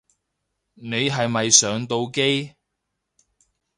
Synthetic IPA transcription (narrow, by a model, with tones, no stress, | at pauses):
ne˨˧jɦɐ˨jmɐ˨jsœː˨˧ŋt̪o˧wke˥j